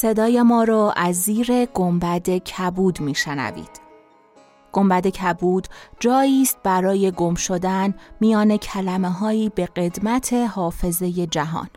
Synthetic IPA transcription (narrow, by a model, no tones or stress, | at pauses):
se̞d̪ɒːje̞mɒːɾɒːʔæzːiːɾe̞ɡ̥ombæd̪e̞cʰæbuːd̪miːʃenæ̰vḭːd̪̥ | ɡ̥o̞mbæd̪e̞cʰæbuːd̪̥d͡ʒɒːjiːst̪̚bæɾɒːje̞ɡo̞mʃo̞d̪ænmijɒːne̞cʰælæme̞ɦɒːiːbe̞ɢe̞d̪mæt̪ʰe̞hɒːfe̞ze̞je̞d͡ʒæɦɒ̰ːn